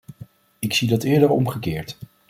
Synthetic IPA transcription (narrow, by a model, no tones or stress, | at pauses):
ɪksidɑtɪːɹdəɹɔ̰mχəkɪːɹt